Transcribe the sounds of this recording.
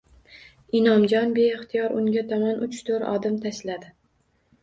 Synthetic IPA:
ɪnɒmd͡ʒɒnbeːχt̪ʰijɒɾʊŋɡʲat̪ʰɒmanʔʊt͡ʃt̪ʰoɾɒ̰d̪ɪmt̪ʰaʃlad̪ɪ

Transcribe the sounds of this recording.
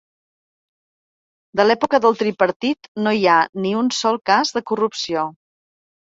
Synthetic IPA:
d̪əlɛpukəðəlˠt̪ɾipəɾt̪it̪noianiunsɔlˠkazðəkurupsio

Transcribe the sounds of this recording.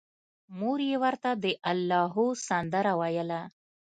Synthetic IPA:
muɾjewəɾt̪ad̪əʔalːɑɦusand̪əɾawajəla

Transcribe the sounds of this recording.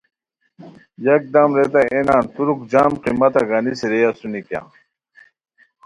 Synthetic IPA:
jɐk̚d̪ɐmɾet̪̬aenaːnt̪uɾuk̚d͡ʑaːmqimɐt̪ɐɡɐniseɾejasunikja̰ː

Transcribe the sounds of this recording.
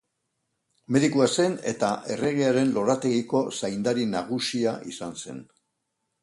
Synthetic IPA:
me̞ðikuase̞ne̞̰t̪aʔe̞̰re̞ɣeaɾe̞nlo̞ɾat̪e̞ɣiko̞sajnd̪aɾinaɣusiaʔḭsanse̞̰n

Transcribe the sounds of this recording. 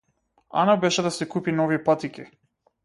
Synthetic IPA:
a̰nabɛʃɛd̪asɛkupinɔvipat̪ikʲi

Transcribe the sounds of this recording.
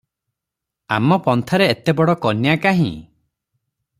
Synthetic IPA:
a̰mɔpɔnt̪ʰaɾeet̪ebɔɽɔkɔnjakaɦḭ̃

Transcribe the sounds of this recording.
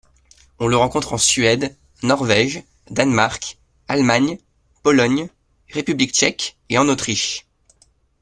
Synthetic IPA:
ɔ̃ləʁɑ̃kɔ̃t̪χɑ̃sɥɛd̪ | nɔʁvɛʒ | d̪anmaʁk | almaɲ | pɔlɔɲ | ʁepyblik̚t͡ʃɛk | eɑ̃not̪χiʃ

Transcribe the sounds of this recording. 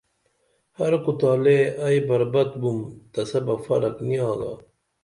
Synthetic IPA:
hɐɾkut̪aːleɐjbɐɾbɐt̪bumt̪ɐsɐbɐfɐɾɐkniɑ̃ːɡa̰

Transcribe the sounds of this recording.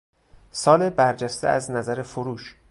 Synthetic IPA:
sɒːlebæɾd͡ʒæst̪ḛæznæzæɾefoɾuːʃ

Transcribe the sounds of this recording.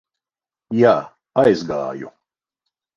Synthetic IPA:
jaː | ajzɡa̰ːjṵ

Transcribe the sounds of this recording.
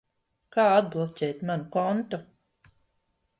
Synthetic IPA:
kaːad̪̚blˠɔcʲɛjt̪manukɔnt̪u

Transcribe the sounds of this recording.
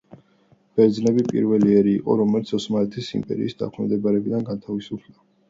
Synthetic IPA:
b̥ɛɾd̪znɛbipʼḭɾvɛliɛɾiːqʼɔ̰ɾɔmɛlit̪sʰɔsmalɛt̪ʰisḭmpʼɛ̰ɾḭːsd̪a̰kʰɛmd̪ɛbaɾɛbid̪anɡant̪ʰavisupʰla

